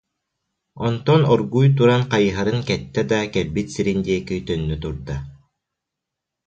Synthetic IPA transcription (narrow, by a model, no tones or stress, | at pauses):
ɔnt̪ɔnɔɾɡujt̪̬uɾanqajɯɦaɾɯnkɛt̪ːɛd̪akɛɾbit̪siɾind̪iɛkit̪œnːyt̪uɾd̪a